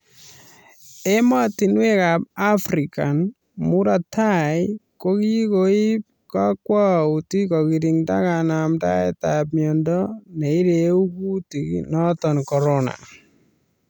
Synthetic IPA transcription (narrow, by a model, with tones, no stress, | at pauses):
e˦ma˦ti˨nwe˦kap̚a˦fɾika˨n | mu˦ɾa˨tʰajko˦ki˦koi˦p̚ka˦kwa˦u˨ti˦kɔ˨ki˨ɾiŋta˦kana˨mta̰˦ɛ˨tap̚mjɔndɔnɛ˨i˦ɾeu˦ku˦tiknɔ˦tɔnkɔ˨ɾɔna̰